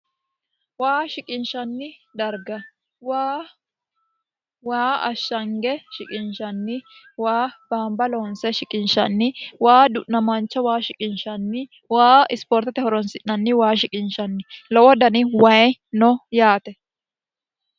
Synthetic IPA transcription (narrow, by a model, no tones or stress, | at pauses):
waːʃɪkʼɪnʃɐnːɪd̪ɐɾɡɐ | waː | waːɐʃːɐŋɡɛʃɪkʼɪnʃɐnːɪwaːb̥aːmbɐlɔnsɛʃɪkʼɪnʃɐnːɪwaːd̪ʊʔnɐmɐnt͡ʃːɐwaːʃɪkʼɪnʃɐnːɪ | waːɪspɔɾt̪ɐt̪ɛhɔɾɔnsɪʔnɐnːɪwaːʃɪkʼɪnʃɐnːɪlɔwɔd̪ɐnɪwɐjnɔjaːt̪ɛ